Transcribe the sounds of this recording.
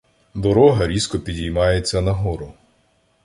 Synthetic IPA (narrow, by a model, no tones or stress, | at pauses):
d̪ɔɾɔɦɐɾʲiskɔpʲidʲijmɑjet͡sʲːɐnɐɦɔɾʊ